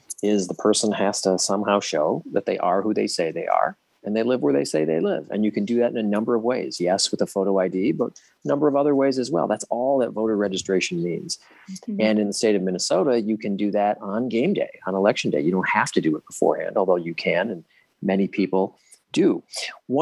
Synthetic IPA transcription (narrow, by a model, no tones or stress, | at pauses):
ɪzðəpʰɜ˞sə̃nhæz̥tʰəsʌ̃mhaʊʃoʊðɨ̰t̪̚ðeɪʔə˞hʉðeɪseɪðeɪʔə̰˞ | ɨ̃nðeɪlɪvwə˞ðeɪseɪðeɪlɪ̰vɨ̰̃njɨkʰɨ̃ndɨðɨɾɨ̃nɨnʌ̃mbə˞ʌvweɪz̥jɛswəðəfoʊɾoʊaɪdibʌt̚ | ənʌ̃mbə˞ʌvʌðə˞weɪzɨzwɛ̰lˠðætsɔlˠðɨtvoʊɾə˞ɹɛd͡ʒɨstɹ̥eɪʃn̩mḭ̃nz̥ | ɨ̃nɨ̃nðəsteɪɾʌvmɪ̃nɨsoʊɾɨjɨkʰɨ̃ndɨðɨɾn̩ɡẽɪ̃mdḛɪə̃nəlɛkʃn̩deɪjɨɾõʊ̃nt̚hæftɨdɨət̚b̥əfɔ̰ɹhæ̰̃ndɔlˠðoʊjɨkʰɨ̃nɨ̃n | mɛnipʰipl̩ˠ | d̥ɨwʌ